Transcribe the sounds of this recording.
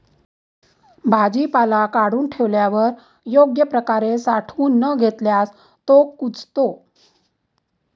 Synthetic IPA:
bʱad͡ʑipalakaɽuːnʈʰeʋljaʋəɾ | joɡjəpɾəkaɾesaʈʰuːnːəɡʱet̪ljas | t̪okut͡st̪o

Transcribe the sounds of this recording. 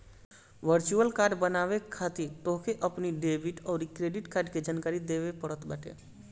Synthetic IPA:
ʋəɾt͡ʃuəlkaɾɖbənaʋekʰːat̪iɾt̪oɦkʰeʔəpniɖebiʈɔːɾikɾeɖiʈkaɾɖked͡ʒaːnkaɾid̪ebepəɽət̪baʈḛ

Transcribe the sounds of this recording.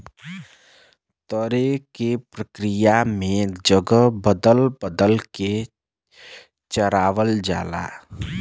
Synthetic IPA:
t̪əɾekepɾəkɾɪjamẽd͡ʒəɡəbəd̪əlbəd̪əlke | t͡ʃəɾaːʋəld͡ʒa̰ːla̰ː

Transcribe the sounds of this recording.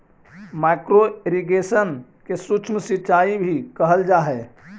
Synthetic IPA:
makɾoeɾiɡesən | kesut͡ʃʰmsit͡ʃaibʱikəɦəld͡ʒaɦɛ

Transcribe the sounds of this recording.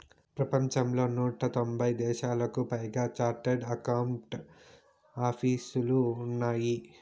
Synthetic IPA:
pɾɐpɐɲt͡ʃɐmlo̞ːnuːʈɐt̪o̞mbʱɐjd̪ɛːʃaːlɐkupɐjɡaːt͡ʃaːɾʈeɖɐkɐwɳʈ | aːpʰiːsuluːnːaːji

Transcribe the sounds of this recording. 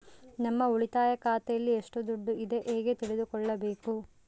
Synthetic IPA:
nɐmːɐuɭit̪aːjɐkaːt̪ɐjɐlːieʂʈud̪uɖːuʔid̪e̞ʔeːɡet̪iɭed̪ukɔɭːɐbe̞ːku

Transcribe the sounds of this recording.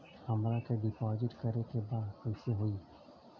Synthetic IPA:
hɐmɾakeɖipɔːzɪʈkəɾekebaːd̪kɔjseɦoi

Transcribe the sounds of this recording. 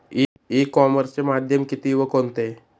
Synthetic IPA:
i | ikɔməɾst͡ɕemad̪ʱjəmkit̪iːʋəkont̪e

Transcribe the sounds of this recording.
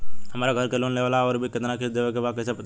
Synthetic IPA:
ɦəmaːɾaɡʱəɾkeloːnleʋaːlaɔːɾbʱikɪt̪nakʰɪsd̪eːʋekebakəsept̪

